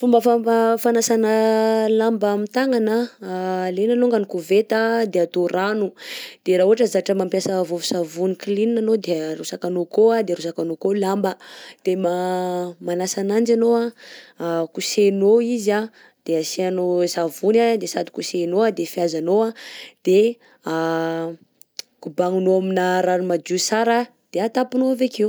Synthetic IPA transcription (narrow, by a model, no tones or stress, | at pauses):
fumbəfafanasanəlambmit̪aŋana | lenanoŋɡanikuvet̪ad̪eat̪oranud̪̥eɾaɦuaʈ͡ʂəzaaʈ͡ʂəmampjasəvovusavunikilininanod̪erusakanokoad̪eɾusakanokolambəd̪̥emamanasanand͡ʒanoa | kusenoiza | d̪̥easeanosavunad̪esad̪i̥kusenoad̪efiazanoad̪̥e | a | kubaŋunoaminəɾanumad͡ʒusaɾa | d̪̥eat̪apinoavekew